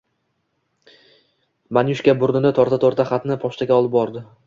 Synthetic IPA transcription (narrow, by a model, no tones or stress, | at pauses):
manjʊʃkʲabʊɾnɪd̪at̪ʰɒɾt̪at̪ʰɒɾt̪ʰaχat̪nɪpʰɒʃt̪aɡʲaɒlˠɪp̚bɒɾd̪ɪ